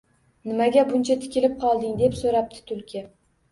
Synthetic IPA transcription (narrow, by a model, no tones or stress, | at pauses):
nɪmaɡʲabʊnt͡ʃʰat̪ʰɪ̥kʲɪlɪp̚qʰɒlˠd̪ɪŋd̪e̞psoɾap̚t̪ʰɪ̥t̪ʰʊlkʲʰe